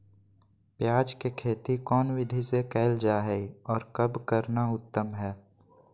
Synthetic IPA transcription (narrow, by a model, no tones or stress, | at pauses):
pjaːd͡ʒkekʰeːt̪ikɔːnwɪd̪ʱisekɛːld͡ʒaːɦɛiɔːɾkəbkəɾnaʊt̪ːəmɦɛː